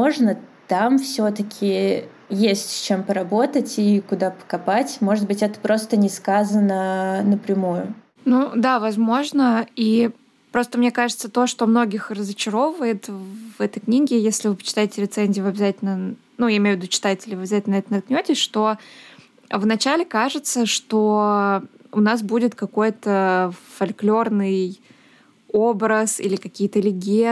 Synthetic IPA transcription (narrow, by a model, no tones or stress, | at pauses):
oʐnət̪amfsʲo̞t̪əkʲʰɪ | jesʲtʲt͡ɕe̞mpəɾɐbo̞t̪ətʲikʊd̪apə̥kɐpatʲmo̞ʐɨt̪̚bɨtʲɛt̪ə̥pɾo̞st̪ənʲɪskazənənəpɾʲɪmujʊ̰ | nud̪avɐzmo̞ʐnəi | pɾo̞st̪əmnʲe̞kaʐɨt̪sət̪o̞ʂt̪o̞mno̞ɡʲɪxrəzɨt͡ɕɪɾo̞vəjɪt̪vɛt̪əjknʲiɡʲɪjesʲlʲɪvɨpə̥t͡ɕɪ̥t̪ajɪtʲɪlʲɪt̪sɛnʲzʲijvɨɐbʲɪzatʲɪlʲnə | nujaɪmʲejʊvʲɪd̪ut͡ɕɪ̥t̪atʲɪlʲɪvɨɐbʲɪzatʲlʲnɛt̪lnt̪̚knʲotʲɪsʲʂt̪o̞ | vnɐt͡ɕælʲɪkaʐɨt̪səʂt̪o | ʊnas̬budʲɪt̪kɐko̞jt̪əfɐlʲklʲo̞rnɨj | obɾəsḭlʲɪkɐkʲijt̪əlʲɪɡʲe